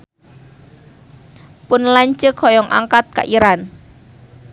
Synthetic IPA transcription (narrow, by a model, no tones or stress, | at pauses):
pʊnlaɲt͡ʃəkhɔjɔŋʔa̰ŋkat̪̚ka̰ʔiɾan